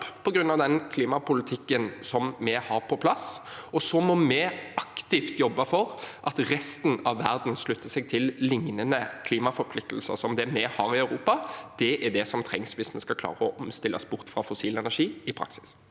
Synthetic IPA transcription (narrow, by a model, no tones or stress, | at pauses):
pʰɔɡɾʉnːɑʋd̪ɛnkʰliːmɑpʊlɪt̪ʰɪkːənsɔmːɛhɑɾpʰɔpʰlɑsɔsɔmɔmɛʔɑkt̪ɪft̪jɔbːɑfɔɾʔɑt̪ɾɛst̪n̩ɑʋːæɾd̪n̩slʉt̪ʰːəsɛɡ̚t̪ʰɪllɪŋnənəkʰliːmɑfɔɾpʰlɪk̚t̪l̩səsɔmd̪ɛmɛhɑːɾɪœʉɾuːpɑd̪̥ɛʔæɖ̪ɛsɔmt̪ʰɾɛŋsʋɪsmɛskɑkʰlɑ̰ːɾəɔʔɔmst̪ɪlːʔə̰sbʊʁt̪fɾɑfʊsiːlɛnæʂiːɪpʰɾɑ̰ksɪ̥s